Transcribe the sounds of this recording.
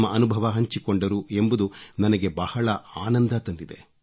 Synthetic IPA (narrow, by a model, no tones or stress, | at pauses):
mːɐʔɐnubʱɐʋɐɦɐɲt͡ʃikoɳɖɐɾue̞mbud̪unɐnɐɡe̞bɐhɐɭɐaːnɐnd̪ʱɐt̪ɐnd̪id̪e̞̰